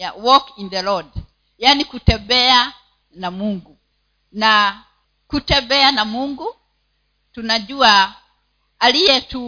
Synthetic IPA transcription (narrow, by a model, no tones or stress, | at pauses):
awɔkinðɛlɔd | jaːnikutɛmbɛa | namuŋɡu | na | kutɛmbɛanamuŋɡu | tunaʄuaː | lijɛtu